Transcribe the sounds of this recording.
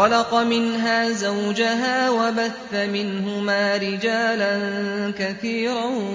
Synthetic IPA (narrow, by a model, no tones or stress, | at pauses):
ɑlɑqɑmɪnɦaːzawd͡ʒaɦaːwabaθːamɪnhʊmaːɾɪd͡ʒaːlankaθiːɾa